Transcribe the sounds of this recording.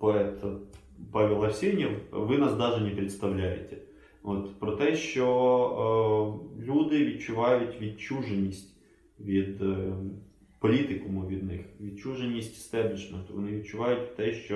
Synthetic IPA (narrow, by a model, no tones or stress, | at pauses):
pɔɛt̪ | pɑʋʲilˠɐfsʲinʲiwʋɪnɑsd̪ɑʒenʲɛpɾʲɪt̪st̪ɐwlʲajḛt̪ɛ̥ | ot̪pɾɔt̪ɛʃt͡ʃɔ | lʲud̪ɪʋʲid̪t͡ʃʊʋɑjʊtʲʋʲid̪̚t͡ʃuʒenʲːisʲtʲ | ʋʲid̪ | pɔlʲit̪ɪkʊmʊʋʲid̪nɪxʋʲid̪̚t͡ʃuʒenʲːisʲtʲst̪ɛblʲiʃment̪ʊʋɔnɪʋʲid̪̚t͡ʃʊʋɑjʊtʲt̪ɛʃt͡ʃɔ